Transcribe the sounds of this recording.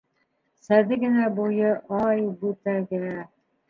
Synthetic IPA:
sæðɘɡɘ̆næbujɤʔɑjbʉt̪æɡɘ̆næ

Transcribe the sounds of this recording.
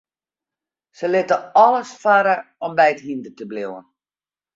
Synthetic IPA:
səlɪtəɔləsfaɾəɔmbɛjəthindətəblɪwən

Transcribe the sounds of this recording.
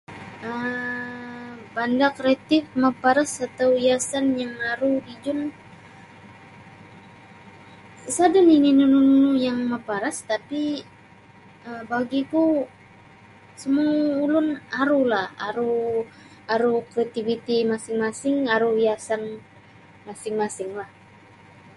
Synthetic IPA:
ʔə | bandakɾeat̪ɪfmapaɾasat̪awjasanjaŋaɾudid͡ʒʊn | sadanininunununujaŋmapaɾast̪api | əbaɡiku | səmuulʊnaɾulaha̰ɾu | aɾukɾeat̪ivit̪imasɪŋmasɪŋaɾuwiasan | masɪŋmasɪŋlah

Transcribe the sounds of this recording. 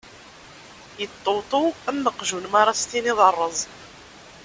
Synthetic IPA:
jət̪ˤːowt̪ˤuəmːəqʒunmɑɾˤɑst̪iniðˤɑrˤːəzˤ

